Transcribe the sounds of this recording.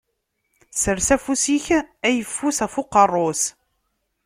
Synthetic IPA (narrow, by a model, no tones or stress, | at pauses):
səɾsæfusiçæjəfːusæfʊqːərˤːos